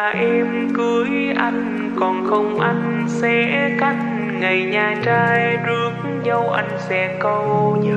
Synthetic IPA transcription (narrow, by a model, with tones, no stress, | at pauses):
ʔɛ˧m | kɨ˨˦əj | ʔa˧jŋ̟ | kɔ˨˩nxə˧wŋ͡mʔa˧jŋ̟ | sɛ˧˥ka˦˥jt̚ | ŋa˨˩jɲaː˨˩t͡ɕaː˧jɗɨ˨˦ək̚ | zə˧wʔa̰˧˩jŋ̟sɛ̰˧˥kə˧wɲ˧